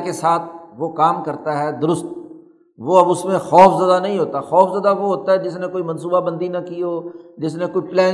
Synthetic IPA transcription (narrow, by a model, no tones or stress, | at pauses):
kesaːt̪ʰʋokaːmkɐɾt̪aɦɛːd̪ʊɾʊst̪̚ | ʋoɐbʊsmẽxɔːfzaːd̪anɐɦĩɦoːt̪axɔːfzaːd̪aʋoɦoːt̪aɦɛd͡ʒɪs̬nẽkoːimɐ̃nsuːbabɐ̃nd̪inɐkiɦoːd͡ʒɪsnẽkoːiplɛ̃ː